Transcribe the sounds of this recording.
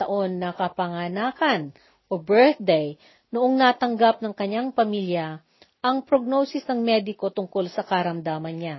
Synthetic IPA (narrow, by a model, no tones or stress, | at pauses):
ɐʔo̞nːɐkɐpɐŋanaːkɐn | ʔobɛɹθd̪ɛj | nʊʔoŋnat̪ɐŋɡap̚nɐŋkɐɲːaŋpɐmiljɐ | ʔɐŋpɾoɡ̚nowsɪsnɐŋmɛːd̪ɪko̞t̪ʊŋko̞lsɐkɐɾɐmd̪aːmɐnɲa